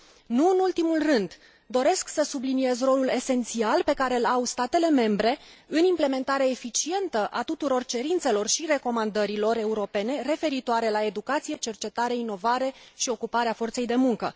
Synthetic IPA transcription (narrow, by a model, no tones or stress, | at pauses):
nuɨnult̪imulrɨnd̪ | d̪o̞ɾe̞sksəsublinie̞zro̞lule̞se̞nt̪sialpe̞kaɾe̞ɨlawst̪at̪e̞le̞me̞mbɾe̞ɨnimple̞me̞nt̪aɾeefit͡ʃie̞nt̪əʔat̪ut̪uɾo̞rt͡ʃe̞ɾint̪se̞lo̞rʃire̞ko̞mand̪əɾilo̞re̞uɾo̞pe̞ne̞re̞fe̞ɾit̪oaɾe̞lae̞d̪ukat̪sije̞t͡ʃe̞rt͡ʃe̞t̪aɾe̞ino̞vaɾe̞ʃio̞kupaɾeafo̞rt̪se̞jd̪e̞muŋkə